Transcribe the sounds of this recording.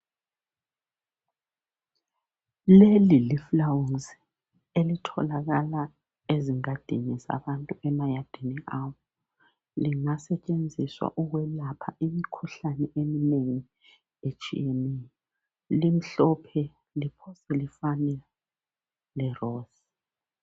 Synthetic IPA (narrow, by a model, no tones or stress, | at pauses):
leliliflawunzi | elitʰɔlaɣala | eziŋad̥ʱiɲɛza̰βantʼuɛmajad̥ʱiniʔaːwɔ | liŋasɛt͡ʃʼend͡zʱiswa̰ʔuɣwɛlapʰaʔimikʰuɬanɛʔemineŋi | et͡ʃʼḭenɛjɔ | lim̩ɬɔpʰɛ | lipʰɔsɛlifanɛ | lɛrɔːz̥